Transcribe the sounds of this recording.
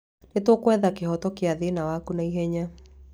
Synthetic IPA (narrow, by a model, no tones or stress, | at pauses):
netwɔkwɛðakeɦɔtɔkeaðenawakunaiɦɛɲa